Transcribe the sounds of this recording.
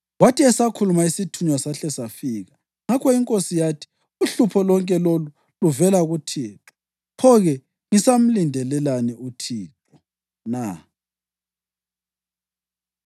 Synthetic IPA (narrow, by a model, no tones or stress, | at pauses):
watʰiɛsakʰulumaisitʰuɲwasaɬɛsafiːɣa | ŋakʰɔiŋkʼosijatʰi̥ | uɬupʰɔlɔŋkʼɛlolu | luvɛlaɣutʰiːtɔ̥ | pʰɔɣɛ | ŋisam̩lindʱɛlɛlaniutʰiːǁʰʼɔ̥ | na